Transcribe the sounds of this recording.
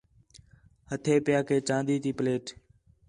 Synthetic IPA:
hət̪ʰeːpɪjaːkʰeːt͡ʃãːnd̪iːt̪iːpleːʈ

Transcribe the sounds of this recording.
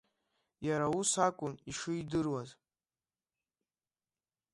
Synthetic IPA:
jaɾausakʷʼʊniʂɨidɨrwaz

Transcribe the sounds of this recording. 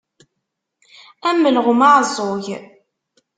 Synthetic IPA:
æmːəlʁmaʕzˤːoʝ

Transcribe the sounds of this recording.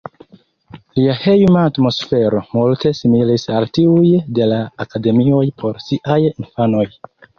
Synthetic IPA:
liahejmaːtmo̞sfe̞ɾo̞multe̞similisaltiujde̞laːkade̞mio̞jpʰo̞ɾsiʔajinfano̞j

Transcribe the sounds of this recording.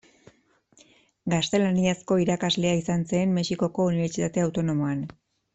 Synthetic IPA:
ɡast̪e̞laniasko̞iɾakazle̞aisanseːmme̞siko̞ko̞uniβe̞ɾt͡sit̪at̪e̞awt̪o̞no̞mo̞an

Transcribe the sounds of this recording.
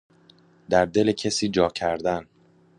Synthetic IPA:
d̪æɾd̪e̞lecʰesiːd͡ʒɒːcʰæɾd̪æn

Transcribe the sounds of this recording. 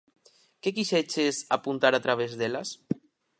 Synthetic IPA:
kek̬iʃet͡ʃesa̰punt̪aɾat̪ɾaβ̞ezd̪elas

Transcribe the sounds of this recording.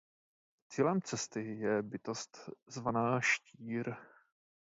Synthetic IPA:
t͡siːlɛmt͡sɛst̪ɪjɛbɪt̪o̞st̪zvanaːʃciːɾ

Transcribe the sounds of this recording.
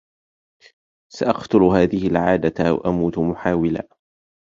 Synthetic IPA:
saʔɑqt̪ʊlhaːðɪhɪlʕaːd̪awa̰ʔamuːt̪mʊħaːwɪla̰ː

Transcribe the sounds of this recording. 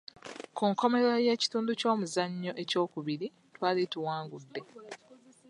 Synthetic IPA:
kuŋko̞me̞ɾaje̞ːci̥tuːnduco̞ːmuzaɲːo̞ʔe̞co̞ːkuβiɾi | twaːlituwaːŋɡudːe̞

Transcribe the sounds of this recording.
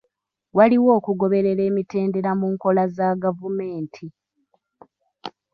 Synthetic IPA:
waliwo̞ːkuɡo̞βe̞ɾe̞ɾe̞ːmite̞ːnde̞ɾamuːŋko̞lazaɡavume̞ːntʰi

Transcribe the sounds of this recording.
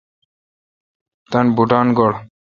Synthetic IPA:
t̪anbuʈanɡɔɽ

